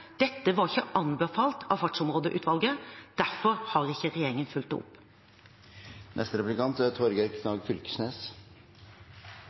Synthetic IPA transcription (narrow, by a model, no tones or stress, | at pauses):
d̪̥ɛt̪ːəʋɑɾɪçəʔɑnbəfɑːlt̪ʰɑʋfɑʈʂʊmɾoːd̪əʔʉ̰ːt̪ʋɑlɡəd̪̥æfɔɾhɑɾɪçəɾɛjeːɾɪŋənfʉlt̪ʊ̰pː | nɛ̰st̪əɾɛplɪkʰɑnt̪ət̪ʰɔɾɡəɾkʰnɑːɡfʏlkə̥sneːs